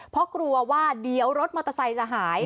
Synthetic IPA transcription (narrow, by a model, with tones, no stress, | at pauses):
pʰɔ˦˥kɾu˧ɐwaː˥˩di˨˩˦əwɾo˦˥t̪̚ma˧t̪ːa˧sa˧jsa˧˩ɦaː˩˦j